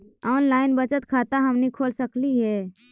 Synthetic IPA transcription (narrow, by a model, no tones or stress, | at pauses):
aːnlaːɪnbət͡ʃət̪kʰat̪aɦəmnikʰoːlsəkliɦɛː